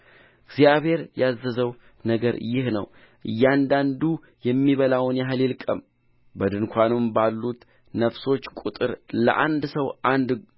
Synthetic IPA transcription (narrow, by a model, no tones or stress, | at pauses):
ɨɡzijaβhe̞ɾjazːəzəw | nəɡəɾjɪhnə̰w | ʔɨjːand̪and̪u | jɛmːiβəlawnjaɦɨlɪlkʼəm | bəd̪ɨnkʷʰanɨmbalːut̪ | nəfso̞t͡ʃːkʼut̪ʼɨɾlə̰ʔa̰nd̪səwʔand̪